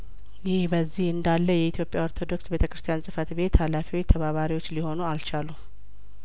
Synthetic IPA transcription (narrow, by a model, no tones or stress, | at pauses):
jɪhbəzːihɨnd̪alːəjɛit̪jo̞pʼjao̞ɾt̪ʰo̞d̪o̞ksbe̞t̪ʰə̥kɾɨst̪ʰijansʼɨfət̪be̞t̪halafiwot͡ʃːt̪ʰəβaβaɾiwo̞t͡ʃːliho̞nualt͡ʃalu